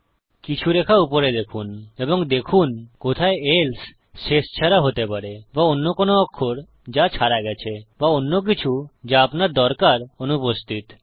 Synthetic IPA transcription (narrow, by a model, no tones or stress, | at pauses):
kit͡ɕʰuɾekʰaupoɾed̪ekʰuneboŋd̪ekʰunkot̪ʰaeels | ʃeʃt͡ɕʰaɾaɦot̪epaɾebaonːokonoɔkʰːoɾ | d͡ʑat͡ɕʰaɾaɡɛt͡ɕʰebaonːok̬it͡ɕʰud͡ʑaapnaɾd̪ɔɾkaɾonupost̪ʰit̪